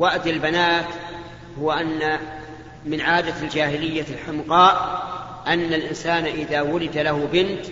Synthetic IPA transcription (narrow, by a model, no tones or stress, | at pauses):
waʔd̪ɪlbanaːt̪ | hʊwaʔanːa | mɪnʕaːd̪ald͡ʒaːhɪlɪjːalħɪmqɑːʔ | ʔanːalʔɪnsaːnaʔɪðaːwʊlɪd̪alahʊbɪnt̪